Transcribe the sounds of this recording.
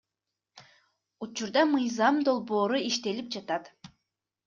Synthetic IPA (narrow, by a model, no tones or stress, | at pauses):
ut͡ʃuɾd̪ɑmɯjzɑmd̪o̞lˠbo̞ːɾuiʃt̪e̞lip̚d͡ʒɑt̪ɑt̪